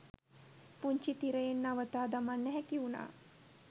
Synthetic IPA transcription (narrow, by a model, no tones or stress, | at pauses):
puɲt͡ʃit̪iɾəjenːaʋət̪aːd̪amanːɛɦɛkiuna̰ː